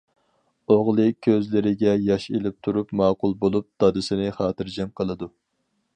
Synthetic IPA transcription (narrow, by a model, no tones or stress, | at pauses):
oʁlˠɨkʲʰøzlɪɾɪɡʲɛjɑʃelɪp̚t̪ʰuɾupmɑːqʊlˠbolˠup̚d̪̥ɑd̪ɨsɪnɪχɑːt̪ɨɾd͡ʒɛmqʰəlˠɨd̪u